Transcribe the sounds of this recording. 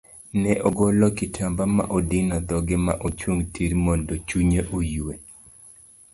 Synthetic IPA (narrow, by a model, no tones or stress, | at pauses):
nɛʔɔɡɔlɔkɪtʰambama̰ʔodinɔd̪ɔɡɪma̰ʔot͡ʃwoŋtʰiɾmondot͡ʃuɲeʔojue